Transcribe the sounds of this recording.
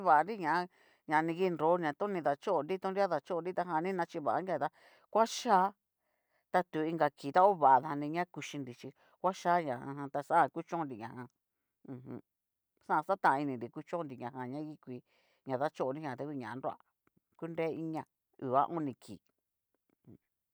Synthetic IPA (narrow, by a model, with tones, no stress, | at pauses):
βa˨a˧nɾi˦ɲã˨a˦ | ɲã˨˧nĩ˧ɣi˦nɾo˨˦ɲ˧ã˧t̪õ˦nĩ˧ða˧t͡ʃo˦o˧nɾi˦t̪õ˦nɾi˦a˦ða˧t͡ʃo˦o˧ɾi˦t̪a˧ɦã˧nĩ˦nã˧t͡ʃi˧βa˨ʔa˨˦a˧t̪a˧ | kʷa˦ʃaː˦ | t̪a˧t̪u˨˦˧i˧ŋɡa˧kiː˨t̪a˦o˦βa˨a˨ða˧ha˧nĩ˧ɲã˦ku˧ʃi˧nɾi˧˨t͡ʃi˧ | kʷa˦ʃa˦ɲã˨ã˧hã˧t̪a˧sa˦a˦˧ku˦t͡ʃõ˦nɾi˨ɲã˨˧hã˧ | ũ˧ɦṵ̃˧ | sã˦ã˧sa˦t̪ã˧˨˧i˧nĩ˨nɾi˨ku˦t͡ʃõ˦nd̪i˨ɲã˨˧ɦã˧˨ɲã˦ɣi˦kʷi˧ | ɲã˨ða˦t͡ʃo˦o˧˨ndi˦ɲã˨t̪a˧kʷi˧ɲã̰˨˧ɾo˦a̰˦˧ | ku˦nɾeː˦i˦ɲã˧ | ṵ˨βa̰˦ʔõ˦nĩ˧kʰḭː˨ | h